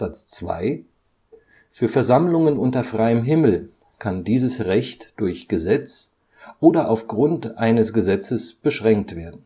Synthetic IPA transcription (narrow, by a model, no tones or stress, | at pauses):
at͡st͡sv̥a̰ɪ | fyːɐfɛɐzamlʊŋənʊntɐfʁ̥aɪəmɦɪml̩ | kʰandiːzəsʁɛçtd̥ʊɐçɡ̥əzɛt͡s | ʔoːdɐʔaʊfɡ̥ʁʊntʔaɪnəsɡ̥əzɛt͡səsb̥əʃʁ̥ɛŋk̚tv̥eːɐdn̩